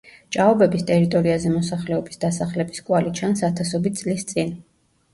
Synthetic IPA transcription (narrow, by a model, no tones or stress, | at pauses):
t͡ʃʼaɔbɛbist̪ʼɛɾit̪ʼɔɾiazɛmɔsaχlɛɔbisd̪asaχlɛbiskʼwalit͡ʃʰansat̪ʰasɔbit̪̚sʼlist̪sʼin